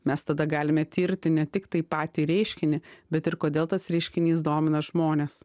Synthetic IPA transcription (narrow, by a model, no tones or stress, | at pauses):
mʲɛst̪ɐd̪ɐɡɑːlʲɪmʲɛt̪ʲiːɾʲt̪ʲɪnʲɛt̪ʲɪkt̪ɐɪpɑːt̪ʲiːɾʲɛɪʃʲkʲɪnʲɪbʲɛt̪ɪɾkoːd̪ʲeːlˠt̪ɐsɾʲɛɪʃʲkʲɪnʲiːsd̪oːmʲɪnɐʒmoːnʲeːs